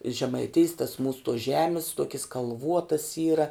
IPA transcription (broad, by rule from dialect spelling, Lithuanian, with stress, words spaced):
ʒʲɛmɐɪˈtʲeːjs tɐs muːs tuɔs ˈʒʲæːmʲɪs ˈtuɔkʲɪs kɐlˠˈʋuɔtɐs ˈiːrɐ